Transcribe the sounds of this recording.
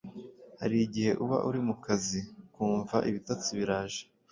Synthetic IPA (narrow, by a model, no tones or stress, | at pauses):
ha̰ɾiɟihe̞ʔuβa̰ʔuɾimukazikuːɱvaʔiβitat͡suβiɾaːʒe̥